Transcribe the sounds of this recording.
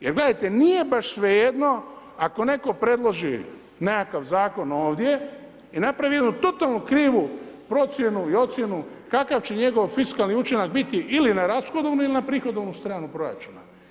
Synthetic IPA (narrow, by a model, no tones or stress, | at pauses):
jeɾɡle̞d̪ajt̪e̞nije̞baʃsʋejed̪no̞ | ako̞ne̞ko̞pɾe̞d̪lˠo̞ʒi | nekakaʋzaːko̞no̞ːʋd̪je̞ | inapɾaʋijed̪nut̪o̞t̪alˠnukɾiːʋupɾo̞t̪sje̞nuio̞t̪sʲje̞nu | kakaʋt͡ɕe̞ɲe̞ɡo̞ʋfiskalniut͡ʃinaɡbit̪iʔilinaɾasxo̞d̪oʋnuilinapɾiːxo̞d̪oʋnust̪ɾaːnupɾo̞ɾa̰t͡ʃuna